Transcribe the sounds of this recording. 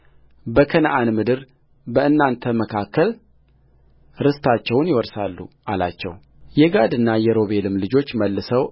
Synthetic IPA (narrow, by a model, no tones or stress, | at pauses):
bəkʰənʔanmɨd̪ɨɾ | bəɨnːant̪ʰəməkʰakːəl | ɾɨst̪ʰat͡ʃːɛwnjɪwɔɾsalːṵʔala̰t͡ʃːɛ̰w | jɛɡad̪ɨnːajɛɾo̞βe̞lɨmlɨd͡ʒo̞t͡ʃːməlːɨsəw